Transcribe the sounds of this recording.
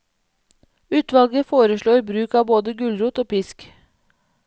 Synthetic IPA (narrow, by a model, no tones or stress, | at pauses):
ʉːt̪ʋɑlɡəfoːɾəʃɭuːibɾʉːkɑːboːd̪əɡʉlɾuːt̪oːpɪsk